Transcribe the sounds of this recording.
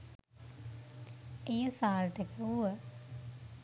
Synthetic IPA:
ejəsaːɾt̪əkəuə

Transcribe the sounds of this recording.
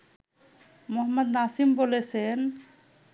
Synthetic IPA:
mɔɦməd̪̚naːsimbolesen

